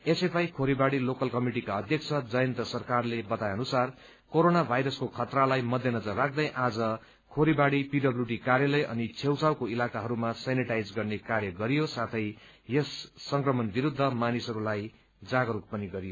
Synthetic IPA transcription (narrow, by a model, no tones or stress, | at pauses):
esepajkʰoɾibaɽilokʌlkʌmiʈikaʌd̪ʱjʌk̚t͡sʰʌd͡zʌjʌnt̪ʌsʌrkarlebʌt̪ajʌnusar | koɾonabʱajɾʌskokʰʌt̪ralajmʌd̪ʱjʌnʌd͡zʌrːak̚ʰd̪ʌjʔad͡zʌ | kʰoɾibaɽipiɖʌbluʈikaɾjʌlʌjʔʌ̰nit͡sʰewt͡sawkoilakaɦʌɾumasaniʈajd͡zɡʌrnekaɾjʌɡʌɾijosat̪ʰʌjjesːʌŋkrʌmʌnbiɾud̪ʱːʌmanisʌɾulaj | d͡zaɡʌɾuk̚pʌniɡʌɾijo